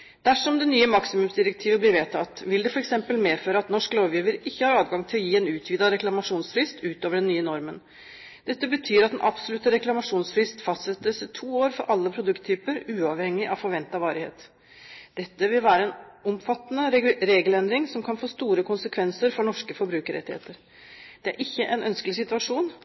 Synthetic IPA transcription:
d̪̥æʂɔmd̪ɛnyːəmɑksɪmʉmsd̪ɪɾək̚t̪ʰiːʋəblɪɾʋeːt̪ʰɑt̪ʋɪld̪ɛfɔɾɛksɛmpəlmeːføːɾəɑt̪nɔʂkəloːʋjiːʋəɾɪçːəhɑːɾɑːd̪ɡɑŋt̪ʰɪlɔjiːɛnʉːt̪ʰʋiːd̪ɑɾɛklɑmɑʂuːnsfɾɪst̪ʉːt̪oːʋəɖɛnːyːənɔɾmən | d̪̥ɛt̪ːəbət̪ʰyːɾɑt̪d̪ɛnʔɑb̥sɔlʉt̪əɾɛklɑmɑʂuːnsfɾɪst̪fɑst̪sɛt̪ːəst̪ʰuːoːɾfɔɾʔɑlːəpʰɾʊd̪ʉkt̪ʰːyːpəɾʉːɑʋhɛŋːɪʔɑʋfɔɾʋɛnt̪ɑʋɑːɾɪhḛːt̪ | d̪̥ɛt̪ːəʋɪlʋæːɾəɛnɔmfɑt̪ːənəɾeːɡəlɛnd̪ɾɪŋsɔmkʰɑnfoːst̪uːɾəkʰʊnsəkʰʋɛnsəɾfɔɳɔʂkəfɔɾbɾʉːkəɾɛ̰t̪ɪhḛːt̪əɾ | d̪̥ɛæ̰ɾʔɪçːəʔɛnʔœnskəlɪsɪt̪ʉɑʂuːn

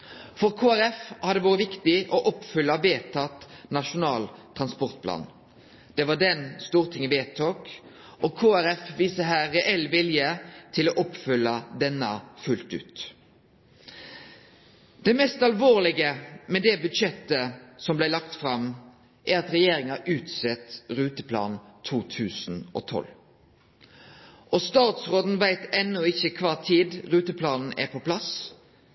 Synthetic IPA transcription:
fɔʁkʰoːæɾɛfhɑd̪d̪ɛʋoːɾəʋɪkt̪ɪʔɔʔɔpːfʏlːɑʋeːt̪ʰɑt̪nɑʂʊnɑːlt̪ʰʁɑnspɔʁt̪̚pʰlɑ̰ːn | d̪̥ɛʋɑɖɛnst̪uːʁt̪ʰɪŋʋeːt̪ʰoːk | ʔɔkʰoːæɾɛfʋiːsəɦæːɛʔɛlːʋɪljət̪ʰɪloːʔɔpfʏlːəd̪ɛnːə̰fʉlt̪ʉ̰ːt̪ | d̪̥ɛmɛst̪ɑlʋoːlɪɡəmɛd̪ɛbʉd̪ʃɛt̪ːəsɔmblæɪlɑkt̪fɾɑm | ʔæɾɑt̪ɾɛjeːɾɪŋɑʔʉːt̪sɛt̪ɾʉːt̪əpʰlɑ̰ːnt̪ʰuːt̪ʰʉːsn̩ʔo̰ːt̪ʰɔ̰l | ʔɔst̪ɑːt̪sʁoːd̪n̩ʋæɪt̪ɛnːɔɪçəkʰʋɑːt̪ʰiːd̪ɾʉːt̪əpʰlɑːnn̩æ̰pʰɔpʰlɑs

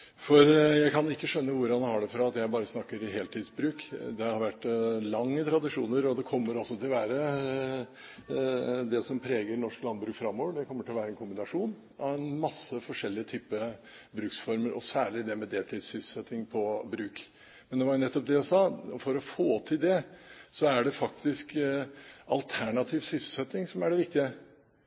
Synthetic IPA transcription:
fɔɾjæɪkʰɑnɪkːəʂœnːəʋʊɾɑnhɑɖɛfɾɑɑt̪jæɪbɑːɾəsnɑkːəɾɪɦeːlt̪ʰiːd̪sbɾʉːkd̪ɛhhɑɾʋæʈːlɑŋːət̪ʰɾɑd̪ɪʂṵːnəɾɔd̪ɛkʰɔmːəɾɔsːɔt̪ʰɪlʋæːɾə | d̪ɛsɔmpʰɾeːɡəɾnɔʂklɑnbɾʉːkfɾɑmːoːʋəɖɛkʰɔmːəʈʰɪlʋæːɾəɛnkʰʊmbɪnɑʂuːn | ɑʋɛnmɑsːəfɔʂɛlːɪət̪ʰyːpːə | bɾʉːksfɔɾməɾʔɔsæːɭɪd̪ɛmɛd̪eːlt̪ʰɪsʏssɛt̪ːɪŋpʰɔbɾʉːk | mɛnd̪ɛʋɑnɛt̪ːɔp̚d̪ɛæsɑːfɔɾɔfoːt̪ʰɪld̪ɛsɔæɖɛfɑkt̪ɪsk | ɑlt̪ʰæɳɑt̪ʰiːʋsʏssɛt̪ːɪŋsɔmæɖɛʋɪk̚t̪ɪə

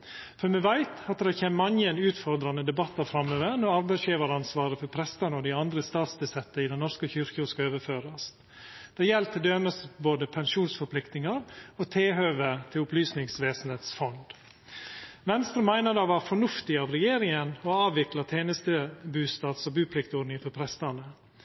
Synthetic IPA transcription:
fɔɾmɛʋæɪt̪ɑt̪d̪ɛçɛːmmɑnjəɛnʉːt̪fɔɾd̪ɾɑnəd̪ɛbɑt̪ːɑfɾɑmøːʋəɾnɔɾɑɾbæɪsjeːʋɑɾəɑnsʋɑːɾəfɔɾpʰɾɛst̪ənəɔd̪ɪɑnd̪ɾəst̪ɑːt̪sd̪ɛsɛt̪ːəɪd̪ɛnnɔɾskəçʏɾkʊskɑøːʋəføːɾɑs | d̪̥ɛːjɛlt̪ʰɪld̪øːməsboːd̪əpʰɛnʂuːnsfɔɾpʰlɪkt̪nɪŋɑɾɔt̪ʰeːɦøːʋət̪ʰɪlʊplyːsnɪŋsʋeːsn̩heːt̪sfɔnd̪ | ʋɛnst̪ɾəmæɪnəd̪ɑːʋæːɾfɔɳʉft̪ɪɑʋɾɛjeːɾɪŋənɔɑːʋʋɪklɑt̪ʰeːnəst̪əbʉːst̪ɑːt̪sɔbʉːpʰlɪkt̪ɔɾnɪŋfɔɾpʰɾɛst̪əɳə

